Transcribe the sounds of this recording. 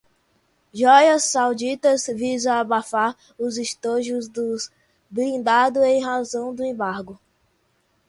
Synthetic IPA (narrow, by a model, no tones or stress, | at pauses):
ʒɔjɐsːawd͡ʒit̪ɐzvizaːbafaɾ | ʊziʃt̪oʒʊzd̪ʊs | bɾĩnd̪ad̪ʊẽj̃ɦazɐ̃w̃d̪ʊẽmbaɾɡʊ